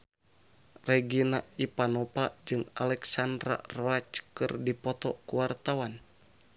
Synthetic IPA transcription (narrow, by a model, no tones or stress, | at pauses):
rɛɡinaʔipanɔpad͡ʒɨŋa̰lɛksandɾa̰roat͡ʃkɨrdipɔt̪ɔkuwart̪awan